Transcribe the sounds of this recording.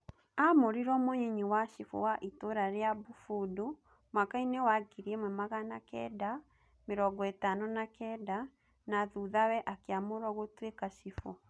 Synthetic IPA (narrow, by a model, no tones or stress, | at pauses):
amoɾiɾɔmoɲiɲiwaʃifɔ̰waʔitoɾaɾjabufudo | mwakainɛwaɡiɾiɛmwɛmaɣanakɛ̰da | meɾɔɡɔetanɔnakɛda | naðuðawɛʔakeamoɾɔɣotwekaʃifɔ